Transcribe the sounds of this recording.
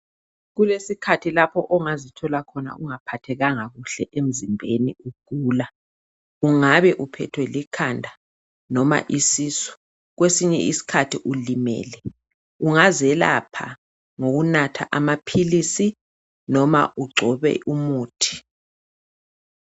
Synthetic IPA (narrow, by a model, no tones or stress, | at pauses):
ɣulesikʰatʰilapʰɔʔɔŋazitʰɔlakʰɔna̰ʔuŋapʰatʰɛɣaŋaɣuɬɛʔem̩zimbʱeniuɡ̥ʱuːla | uŋaβɛʔupʰɛtʰwɛlikʰandʱa | nɔma̰ʔisisu̥ | ɣwesiɲɛ̰ʔisi̥kʰatʰiʔulimɛ̰ːlɛ | uŋazɛla̰pʰa̰ | ŋoɣunatʰa̰ʔamapʰilisi | nɔma̰ʔuɡ͡ǀʱɔβɛ̰ʔumuːtʰi̥